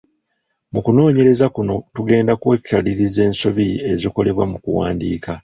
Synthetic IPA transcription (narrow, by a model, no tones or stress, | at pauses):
mukuno̞ːɲe̞ɾe̞zakuno̞tuɡe̞ːndakwekʰːaliɾize̞ːnso̞βieziko̞le̞βwamukuwa̰ːndiːka